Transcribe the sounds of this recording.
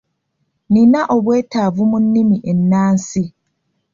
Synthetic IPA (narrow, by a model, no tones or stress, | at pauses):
ninaʔoβwe̞ːtaːvumunːimiʔenːaːnsi